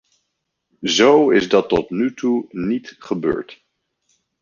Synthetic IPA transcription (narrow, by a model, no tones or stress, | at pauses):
zowɪzdɑtɔtnytunitχəbø̰ːɹt